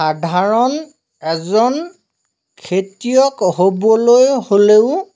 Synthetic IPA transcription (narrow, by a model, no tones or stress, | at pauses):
adʱaɹɔn | ɛzɔn | kʰetijɔkhobɔlojholeʊ